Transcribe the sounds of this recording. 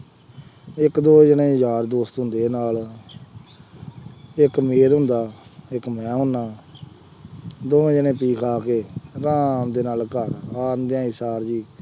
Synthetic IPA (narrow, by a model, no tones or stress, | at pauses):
ɪkd̪oːɦəd͡ʒənẽːɦəzaːɾd̪oːst̪ɦʊ̃nd̪eːnaːl | ɪkmeːɾɦʊ̃nd̪aːɪkmɛ̃ːɦʊnːaː | d̪oːd͡ʒənẽːpiːkʰaːkeːɾãːmd̪eːnaːlkəɾaːnd̪eãːisaːɾd͡ʒiː